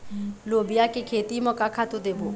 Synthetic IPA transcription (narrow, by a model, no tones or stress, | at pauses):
lobijakʼɪkʰet̪ʼimɔkʼakʰatʊd̪ebʊ̰